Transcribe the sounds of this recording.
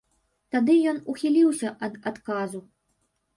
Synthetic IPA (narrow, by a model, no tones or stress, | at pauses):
t̪ad̪ɨjɔnuxʲilʲiwsʲɐʔɐd̪at̪kazu